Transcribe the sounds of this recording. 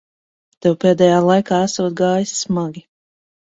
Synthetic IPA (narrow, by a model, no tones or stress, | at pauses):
t̪ɛwpɛːd̪ɛjaːlˠajkaːæsuːt̪̚ɡaːjisːmaɡʲi